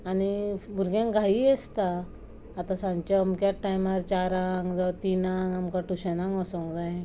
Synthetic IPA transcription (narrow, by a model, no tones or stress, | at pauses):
anibʱuɾɡjãŋɡʱaiest̪aː | t̪ãsãɲt͡ɕaəmkjaʈajmaɾt͡ɕaɾaŋɡd͡zat̪inaŋɡamkaʈuɕənaŋɡɔsɔ̃ŋɡd͡zaj